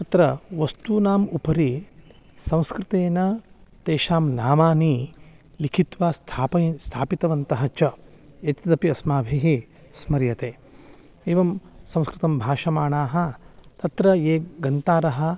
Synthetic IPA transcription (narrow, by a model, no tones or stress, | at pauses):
t̪ɐt̪ɾɐʋɐst̪uːnaːmupɐɾi | sɐ̃w̃skɾɪt̪eːnɐt̪eːʃaːmnaːmaːni | likʰit̪ʋaːst̪ʰaːpɐst̪ʰaːpit̪ɐʋɐnt̪ɐɦɐt͡ʃɐ | ɐt͡ʃɐd̪ɐpiɐsmaːbʱiɦi | smɐɾjɐt̪eː | eːʋɐmsɐ̃w̃skɾɨt̪ɐmbʱaːʃɐmaːɳaːɦɐ̆t̪ɐt̪ɾɐeːɡɐnt̪aːɾɐɦɐ̆